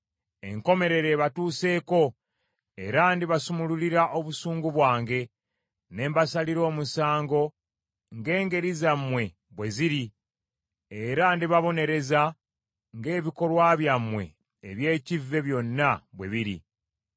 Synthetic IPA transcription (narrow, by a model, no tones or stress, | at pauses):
e̞̰ŋko̞me̞ɾe̞ɾe̞βatuːse̞ːko̞ | e̞̰ɾandiβasumululiɾaʔo̞βusuːŋɡuβwaːŋɡe̞ | ne̞ːmbasaliɾo̞ːmusaːŋɡo̞ | ŋɡe̞ːŋɡe̞ɾizamːwe̞ | βwe̞ziɾi | eɾandiβaβo̞ne̞ɾe̞za | ŋɡe̞ːβiko̞lwaβjamːwe̞̰ː | βje̞ːcivːe̞βjo̞nːaβwe̞βiɾḭ